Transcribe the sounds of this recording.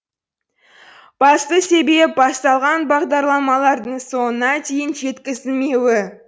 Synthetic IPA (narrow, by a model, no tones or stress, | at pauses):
b̥ɑst̪əse̞be̞p̚bɑst̪ɑlˠʁɑnbɑʁd̪ɑɾlˠɑmɑlˠɑɾd̪əɴso̞ənɑt̪ʰe̞jɪnʒe̞t̪kʲɪzɪlme̞wɪ